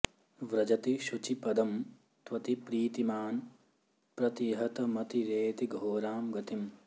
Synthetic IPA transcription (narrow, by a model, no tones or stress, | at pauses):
ʋɾɐd͡ʒɐt̪iʃut͡ʃipɐd̪ɐm | t̪ʋɐt̪ipɾiːt̪imaːn | pɾɐt̪iɦɐt̪ɐmɐt̪iɾeːt̪iɡʱoːɾaːmɡɐt̪im